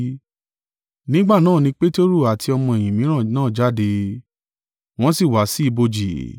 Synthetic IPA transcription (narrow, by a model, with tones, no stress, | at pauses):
nĩ˦ɡ͡ba˦˨nãː˦˨nĩ˧˦k͡pe˦to˦ɾu˦˨a˨tʰi˧ɔ˧mɔ̃˧e˨j̃ĩ˨mĩ˨˦ɾ̃ã˦˨nãː˦˨d͡ʒa˦˨de˧ | w̃ɔ̃˦si˦˨wa˨˦si˦i˧bo˧d͡ʒi˨